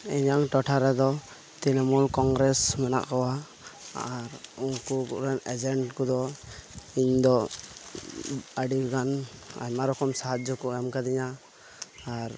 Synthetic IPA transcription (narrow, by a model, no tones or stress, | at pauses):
ɛɲaŋʈɔʈʰaɾɛd̪ɔ | t̪inɔmulkɔŋɡɾɛsmana̰ʔkawa | aɾuŋkuɾɛnɛd͡ʒɛɳʈkɔd̪ɔ | iɲd̪ɔ | aɖikana̰ɲmaɾɔkɔmsaɦad͡ʒukuɛmkad̪iɲaː | ɾ